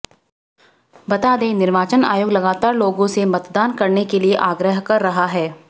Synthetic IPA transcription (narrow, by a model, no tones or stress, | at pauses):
bɐt̪aːd̪ẽːnɪɾʋaːt͡ʃəna̰ːjoːɡlɐɡaːt̪aːɾloːɡõsemɐt̪d̪aːnkɐɾnekelieʔaːɡɾəɦkɐɾːɐɦaɦɛː